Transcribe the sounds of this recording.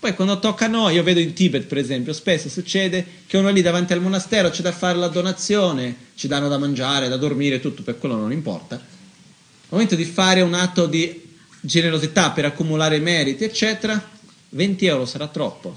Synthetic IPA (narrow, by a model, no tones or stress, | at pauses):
pɔjkwand̪ot̪ɔkːanːojiːoveːd̪oint̪ibet̪̚peɾezɛmpjospesːosut͡ʃːɛːd̪e | k̟eunoalːid̪avant̪ialmonast̪ɛːɾot͡ʃid̪afːaːɾelad̪onat̪sːjoːnet͡ʃid̪anːod̪amand͡ʒaːɾed̪ad̪ormiːɾet̪ut̪ːopekːwelːononimpɔ̰rt̪a | lmoment̪od̪ifaːɾeunat̪ːod̪i | d͡ʒeneɾozit̪apːeɾakːumulaːɾemɛːɾit̪iet͡ʃːɛːt̪eɾa | vɛnt̪iɛwɾosaɾat̪ːɾɔpːo